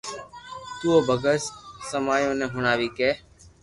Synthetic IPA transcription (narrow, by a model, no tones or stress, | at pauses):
t̪uːoːbʱəɡəssəmaːjõːnẽːɦʊɳaːʋiːkeː